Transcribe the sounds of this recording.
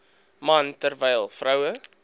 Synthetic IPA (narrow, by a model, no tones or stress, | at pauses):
mɐntərvɛjlˠfrœwə